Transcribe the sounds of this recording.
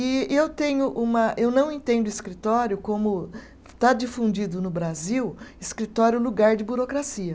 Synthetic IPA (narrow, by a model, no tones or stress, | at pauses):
ɪewt̪ẽɲʊʔũmɐʔewnɐ̃w̃ẽnt̪ẽnd̪ʊiskɾit̪ɔɾjʊkõmʊ | t̪ad͡ʒifũd͡ʒid̪ʊnʊbɾaziwɪskɾit̪ɔɾjʊluɡaɾd͡ʒɪbuɾokɾasiɐ